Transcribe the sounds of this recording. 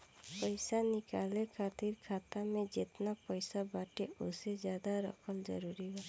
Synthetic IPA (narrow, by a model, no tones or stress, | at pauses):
pɔjsanikalekʰat̪iɾkʰat̪amed͡ʒet̪napɔjsabaʈeosezjad̪aɾɔ̰kʰɔld͡ʒə̰ɾuɾiɦɔ